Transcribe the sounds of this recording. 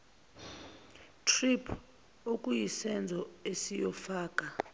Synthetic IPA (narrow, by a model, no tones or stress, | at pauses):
tʰripʰ | okʼujisɛnd͡zʱɔesijɔfaːkʼa